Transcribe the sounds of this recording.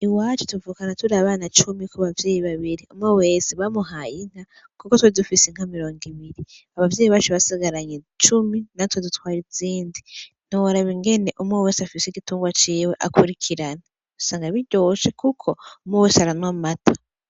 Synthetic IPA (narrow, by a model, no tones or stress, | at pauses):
iwaːt͡ʃetuvuːkanatuɾaβaːnat͡ʃumikʰuβavje̞ːjiβaβiɾiumŋewe̞ːseβamuɦajin̥ha | kukotweidufiseŋ̥amiɾo̞ːŋɡiβiɾiaβavjeːjiβat͡ʃeβasiɡaɾaɲe | t͡ʃuminatwedutwaːɾiziːndi | n̥owaɾaβiŋɡe̞ne̞ʔumŋewe̞ːseafiseɡituːŋɡwat͡ʃiːweʔa̰kuɾikʰiɾana | usaːŋɡaβiɟoʃekukʰo̞umŋeweːseaɾanwamatʰḁ